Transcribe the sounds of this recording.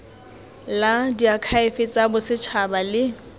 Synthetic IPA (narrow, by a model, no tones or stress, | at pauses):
ladiakʰaɪfɪt͡sʼabʊsɪt͡ʃʰabalɪ